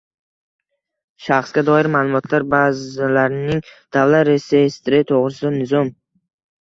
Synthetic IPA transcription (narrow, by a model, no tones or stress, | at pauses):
ʃaχsɡʲad̪ɒɪɾmaːlˠʊmɒt̪ʰlaɾbazɪlaɾɪnɪŋd̪̥avlat̪ɾesest̪ɾɪt̪ʰoʁɾɪsɪd̪anɪzɒm